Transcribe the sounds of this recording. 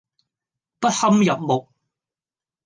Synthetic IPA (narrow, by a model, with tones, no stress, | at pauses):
pɐ˥t̚hɐ˥mjɐ˨p̚mo˨k̚